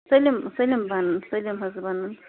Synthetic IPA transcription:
selimselimbanaselimazibanan

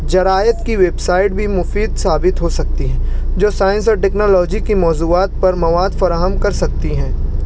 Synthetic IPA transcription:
d͡ʒɐɾaːjət̪kiʋeːbsaːɪʈ̚bʱimʊfiːd̪saːbɪt̪ɦosɐk̚t̪iɦɛ̃ːd͡ʒoːsaːɪ̃nsɔːɾʈɛeːknɔːlɔːd͡ʒikimɔːzuːaːt̪̚pɐɾmɐʋaːd̪fɐɾaːɦəmkɐɾsɐk̚t̪iɦɛ̃ː

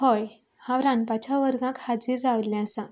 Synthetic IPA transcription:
hɔj | haʋɾãnpat͡ɕʰaʋəɾɡãkhad͡ziːɾːaʋlãsã

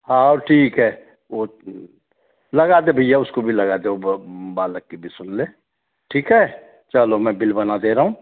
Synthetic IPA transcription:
ɦãɔːɾʈʰiːkɦɛː | o | lɐɡaːd̪ebʱəjaʊskobʱilɐɡad̪eobaːləkːibʱisʊnleː | ʈʰiːkɦɛː | t͡ʃəlomɛ̃bɪlbɐnad̪eɾəɦũː

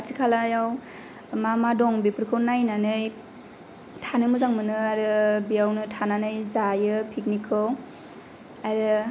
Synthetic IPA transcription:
atikʰalajaw | mamadɔŋbipɯɾkʰɯnajnanɯj | tʰanɯmɯzaŋmɯnɯaɾɯbijawnɯtʰananɯjzajɯpʰik̚nikʰɯw | ajɾɯ

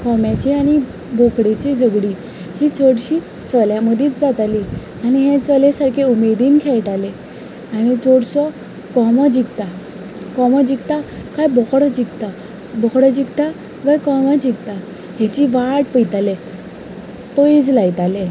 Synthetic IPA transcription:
kɔmjat͡ɕiaɽ̃i | bʱokɽet͡ɕid͡zəɡɽi | hit͡soɽɕiː | t͡sɔljaməd̪ʱiːt͡sd͡zat̪ali | aɽ̃iɦẽt͡sɔlesaɾkʰeumed̪iːnkʰɛɭʈ̪ale | añit͡soɽsɔ | kɔmɔd͡ʑikt̪a | kɔmɔd͡ʑikt̪akajbɔkɽɔd͡ʑikt̪a | bɔkɽɔd͡ʑikt̪a | ɡajkɔmad͡ʑikt̪a | hat͡ɕiʋaʈpəjt̪ale | t̪oid͡zlajt̪ale

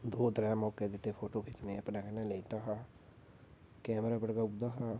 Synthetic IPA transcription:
d̪oːd̪ɾɛːmɔːked̪ɪt̪ːepʰoːʈoːkʰɪt͡ʃnẽːəpnaːkənãleit̪aɦaː | kɛːmɾaːbəɽɡaːʊd̪aːɦaː

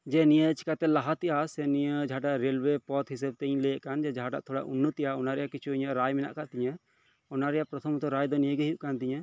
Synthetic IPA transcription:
d͡ʒɛnijət͡ʃʰi̥kat̪ɛlaɦat̪ijasɛnijəd͡ʒaɦaʈaʔɾelwepɔt̪ɦis̬əb̚t̪ɛɲlejəʔkand͡ʒɛd͡ʒaɦaʈa̰ʔt̪ʰɔɽa̰ʔunːut̪ijaɔnaɾɛjakit͡ʃʰuiɲəʔɾajmɛna̰ʔkaʔt̪iɲɛ | ɔnaɾɛjapɾɔt̪ʰɔmɔt̪ɔɾajd̪ɔnijəɡəɦjuʔkant̪iɲɛ

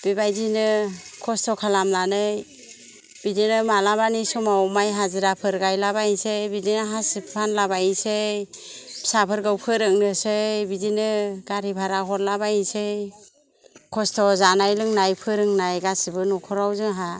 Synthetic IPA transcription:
b̥ibajzinɯkʰɔstʰɔkʰalamlanɯj | bidinɯmalaβanisɔmawmajɦazɯɾapʰɯɾɡajlaβainsejbidinɯɦasipʰanlaβajinsej | sapʰɯɾɡawpʰɯɾɯŋnɯsejbidinɯɡaɾibʰʱaɾaɦɔɾlabajinsej | kʰɔstʰɔzanajlɯŋnajpʰɯɾɯŋnajɡasibɯnɔkʰɔɾawzɯŋɦa

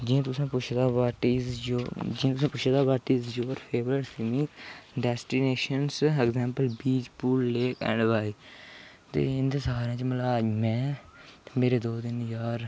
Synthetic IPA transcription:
d͡ʒĩt̪ʊsãːpʊt͡ʃʰd̪aːpaːʈiːzd͡ʒod͡ʒiãːt̪ʊsãːpʊt͡ʃʰd̪aːpaːɾʈiːzd͡ʒoːɾpʰeːbəɾəʈsɪmɪ̃kɖɛːsʈineːʃənsɛɡzɛ̃ːmpəlbiːd͡ʒpuːlːeːkɛ̰̃ːɳɖʋaːiː | t̪ḛːɪnd̪eːsəɦaːɾjãːt͡ʃəməlamɛ̃ː | meːɾeːd̪oːd̪ɪnjaːɾ

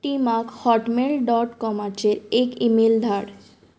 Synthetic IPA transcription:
ʈimakhɔʈmelɖɔʈkɔmat͡ɕʰeɾekimeld̪ʱaɽ

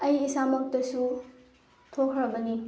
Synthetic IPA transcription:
ɐjisamɐk̚tɐsu | tʰokʰɾɐbɐni

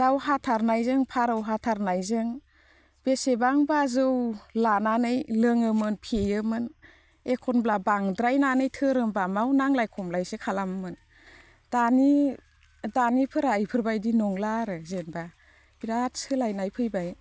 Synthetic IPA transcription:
dawhatʰaɾnajzɯŋpʰaɾawɦatʰaɾnajzɯŋ | b̥esebaŋbazɯwlananɯjlɯŋɯmɯnpʰejɯmɯn | ekʰɔnblabaŋdɾajnanɯjtʰɯɾɯmbamawnaŋlajkʰɔmlajsekʰalammɯn | d̥ani | danipʰɯɾaːjpʰɯɾbajdinɔŋlaɾɯzenba | biɾat̚sɯlajnajpʰɯjbaj

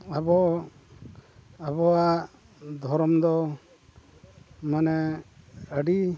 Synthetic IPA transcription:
abɔ | abɔwa | d̪ʱɔɾɔmd̪ɔ | manɛ | əɖi

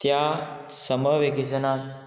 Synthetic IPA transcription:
t̪ja | səməʋeɡid͡zənat̪

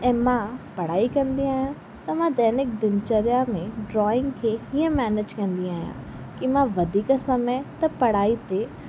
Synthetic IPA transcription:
ɛ̃ːmãpɐɽ̤aːikɐ̃nd̪iaːjã | t̪ɐmãd̪ɛːnɪk̚d̪ɪnt͡ʃəɾjãmẽɖɾɔːɪ̃ŋɡkʰeɦiə̃mɛːned͡ʒkɐ̃nd̪iaːɦjã̰ | kimãʋɐd̪ʱiːkasɐmɛ̃t̪ɐpɐɽaːit̪e

